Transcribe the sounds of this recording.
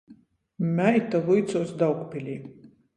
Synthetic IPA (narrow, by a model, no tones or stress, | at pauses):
mʲæjt̪alˠujt̪sɔːsd̪awkpʲilʲiː